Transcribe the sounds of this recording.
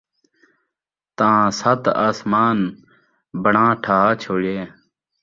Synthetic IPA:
t̪ãːsɐt̪aːsmaːn | bɐɳãːʈʰaːaːt͡ɕʰoːɽjeː

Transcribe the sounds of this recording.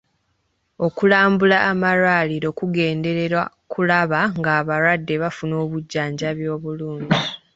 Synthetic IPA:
o̞kulaːmbulaʔːmaɾwaliɾo̞kuɡe̞ːnde̞ɾe̞ɾwa | kulaβaŋɡaːβaɾwadːe̞βafuno̞ːβuɟːaːɲɟaβjo̞ːβuluːɲɟi

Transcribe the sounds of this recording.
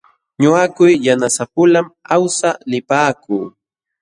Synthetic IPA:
ɲʊakʊjːanasapʊlamawsalɪpaːkuː

